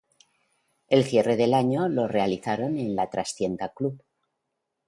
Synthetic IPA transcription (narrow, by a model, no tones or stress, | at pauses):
e̞lθje̞re̞ðe̞laɲo̞lo̞re̞aliθaɾo̞ne̞nlat̪ɾasθje̞nt̪aklup